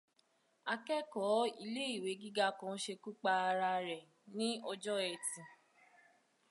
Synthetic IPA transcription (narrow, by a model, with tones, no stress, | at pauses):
a˧kɛ˦kɔ˨˦i˧le˦i˦˨we˨˦ɡi˦ɡa˦kɔ̃˧˦ʃe˧ku˦k͡pa˧a˧ɾa˧ɾɛ˨ | nĩ˦ɔ˧d͡ʒɔ˦ɛ˨tĩ˨